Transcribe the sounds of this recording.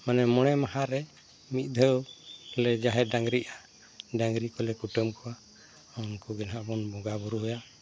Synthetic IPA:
manɛmɔɽ̃ɛmaɦaɾɛ | mit̪̚ˀd̪ʱəwlɛd͡ʒaɦɛɖaŋɡɾiʔa | ɖaŋɡɾikɔlɛkuʈəmkɔwa | unkuɡɛnɦaʔbɔnbɔɡabɔɾuɦɔja

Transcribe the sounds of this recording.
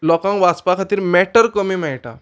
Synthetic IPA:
lɔkãŋkʋat͡spakʰat̪iːɾmɛʈəɾkəmiːmɛɭʈa̰

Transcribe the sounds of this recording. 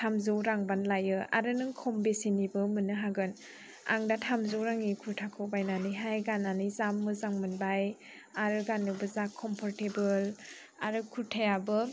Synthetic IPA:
tʰamzɯwɾaŋbanlajɯa̰ɾɯnɯŋkʰɔmbesinibɯmɯnːɯɦaɡɯn | a̰ŋdatʰamzowɾaŋikʰuɾtʰakʰɯwbajnaniɦajɡananizamːɯzaŋmɯnbaj | aɾɯɡanːɯbɯzakʰːɔmpʰɔɾtebɯl | aɾɯkʰuɾtʰajabɯ

